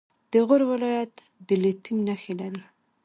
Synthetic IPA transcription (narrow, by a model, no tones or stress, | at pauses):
d̪̥əɣʊɾwɪlɑjat̪ | d̪əlet̪imnaxelaɾi